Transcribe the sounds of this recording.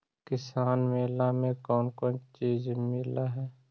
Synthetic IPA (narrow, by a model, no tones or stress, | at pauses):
kɪsaːnmeːlamẽkɔːnkɔːnt͡ʃiːd͡ʒmɪlaɦɛː